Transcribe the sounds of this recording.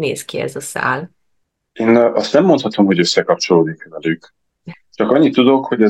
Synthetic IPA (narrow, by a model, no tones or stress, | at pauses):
neːskiɛ̰zɒsa̰ːl | eːnɒst̪nɛmːont̪hɒt̪o̞mho̞ɟøsːɛkɒp̚t͡ʃo̞loːd̪iŋkvɛlyk | t͡ʃɒkɒɲːit̪ːud̪o̞kho̞ɟɛ